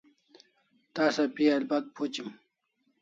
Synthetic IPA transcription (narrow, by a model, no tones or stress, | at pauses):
t̪aːsapialbɐt̪̚pʰot͡ɕim